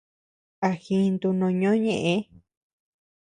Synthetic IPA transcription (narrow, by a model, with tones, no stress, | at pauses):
a˧xĩ˧nd̪u˧nõ˧ɲõ˦ɲẽ˧˨ʔẽ˧˦